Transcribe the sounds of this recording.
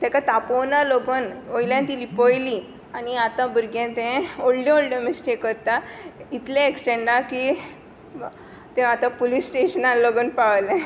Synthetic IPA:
t̪ãkat̪aponaloɡənojljãnt̪ilipojli | aniat̪ãbəɾɡẽt̪ẽoɽɖjeoɭɖəmesʈekʋət̪ait̪lẽeksʈẽɳɖaki | t̪ẽat̪ãpolisʈeɕənãloɡənpaʋlẽ

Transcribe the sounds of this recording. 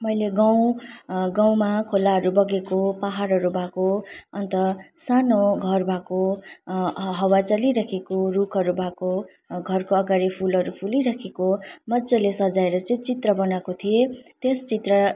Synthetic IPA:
mʌjleɡaw̃ | ɡaw̃makʰolaɦʌɾubʌɡekopaɦaɾɦʌɾubʱakoʌnt̪ʌsanoɡʱʌrbʱako | ɦʌwat͡sʌliɾakʰekorukʰʌɾubʱako | ɡʱʌrkoʌɡaɽipʰulʌɾupʰuliɾakʰekomʌd͡zʌlesʌd͡zaeɾʌt͡sʌĩt͡sit̪rʌbʌnakot̪ʰijet̪est͡sit̪rʌ

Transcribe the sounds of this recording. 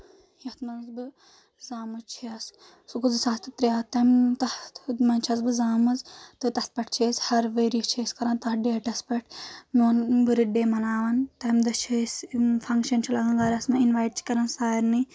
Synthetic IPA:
jɐt̪mɐnzbɨ | zaːmɨt͡ʃʰiɐs | suɡuzɨsaːt̪ɨt̪ɾijaːt̪ɐmt̪ɐmɐnt͡ʃʰɐzbɨzaːmɐzt̪ɨt̪ɐs̚pɐʈʰt͡ʃʰeːshɐɾʋəjɾjit͡ʃʰeːskɐɾaːnt̪ɐɦɖeːʈɐspɐʈʰnoːnbɨɾiɖeːmɐnaːʋɐnt̪ɐmd̪ɐt͡ʃʰesfʰɐŋkʃɐnt͡ʃʰilɐɡanɡaːɾʲɐsmɐinʋaːjʈ̚t͡ʃʰi̥kɐɾɐnsaːɾni

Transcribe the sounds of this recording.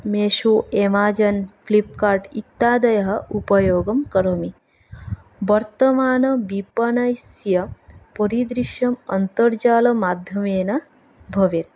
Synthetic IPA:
meːʃuːemaːd͡ʒɐnklip̚kaːɾʈit̪ːaːd̪ɐjɐɦɐ̆ʔupɐjoːɡɐmkɐɾomi | ʋɐɾt̪ɐmaːnɐbipɐnɐjsjɐpoɾid̪ɾiʃjɐmɐnt̪ɐɾd͡ʒaːlɐmaːd̪ʱjɐmeːnɐ | bʱɐʋjet̪̚

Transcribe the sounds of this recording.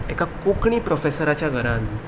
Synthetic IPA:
ekakokɳiːpɾɔfesəɾat͡ɕjaɡʱəɾan

